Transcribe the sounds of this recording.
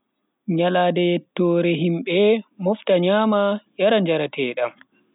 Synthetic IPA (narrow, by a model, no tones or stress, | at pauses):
ɲaladɛtːɔːɾɛɦimɓɛmɔftaɲaːmajaɾand͡ʒaɾatʰɛːɗam